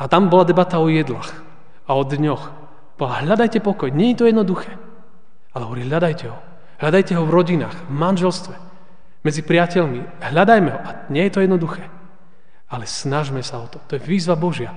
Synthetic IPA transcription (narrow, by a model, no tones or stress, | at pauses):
at̪ambɔlad̪ɛbat̪aɔjɛd̪laːx | aɔd̪ɲɔx | bɔlaɦʎad̪ajcɛpɔkɔjɲɛɲɛt̪ɔjɛd̪nɔd̪uxɛː | alɛɦɔʋɔɾiɦʎad̪ajcɛɦɔ | ɦʎad̪ajcɛɦɔvɾɔɟinaːxvmanʒɛlst̪ʋɛ | mɛd͡zipɾɪacɛʎmi | ɦʎad̪ajmɛɦɔʔaɲɛjɛt̪ɔjɛd̪nɔd̪uxɛː | alɛsnaʒmɛsaɔt̪ɔt̪ɔjɛʋiːzʋabɔʒɪa